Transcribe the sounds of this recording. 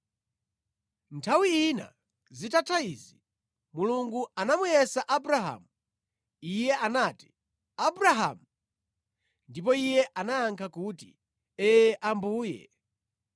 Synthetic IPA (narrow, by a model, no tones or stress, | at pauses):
ntʰawiina̰ | zitatʰaizi | muluŋɡuanamujɛsaʔabuɾaɦa̰mu | ijɛanaːti̥ | abuɾaɦa̰mu | ndip̬ɔijɛʔanaaŋkʰakutḭ | ɛʔambuːjɛ̰